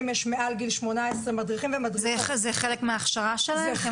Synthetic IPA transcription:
mjɛʃmeʔalɡilʃmonaesʁemadʁiχimvemadzɛzɛχelekmeaːχʃaʁaʃelae

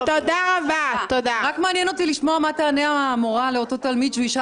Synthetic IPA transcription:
t̪od̪aʁabat̪od̪aʁakmaːnjeno̞t̪iliʃmo̞amat̪aneaaːmoʁale̞ot̪o̞t̪almid̪ʃviʃa

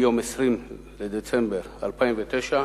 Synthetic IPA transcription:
jo̞mesʁim | led̪et͡sembeʁalpaimvet̪eʃa

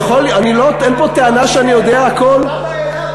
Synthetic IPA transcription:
χolaniloenpot̪eanaʃeanijo̞d̪eaakol

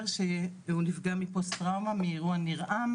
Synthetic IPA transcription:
ʁʃeunifɡamipostʁawmamiːʁuaniʁʔam

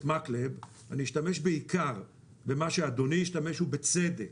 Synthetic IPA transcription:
tmakleb | a̰niːʃtameʃbeikʰaʁ | bemaʃead̪o̞nijiʃtame̞ʃubet͡sed̪ek

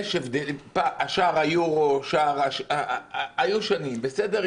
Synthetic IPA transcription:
ʃevd̪elipaʔaʃaʁajuʁoʃaʁaʃaajuʃanimbesed̪eʁ

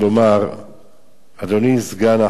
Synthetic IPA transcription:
lomaʁ | ad̪onizɡana

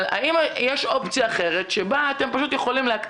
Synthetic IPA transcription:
la̰ʔimjeʃo̞pt͡sijaːχe̞ʁe̞tʃebaːt̪e̞mpaʃut̪jeχolimleakt̪

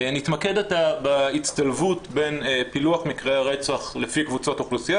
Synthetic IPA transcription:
nit̪makedatabait͡st̪alvutbenpiluaχmikʁeaʁet͡saχlefikvut͡sotoχlusija

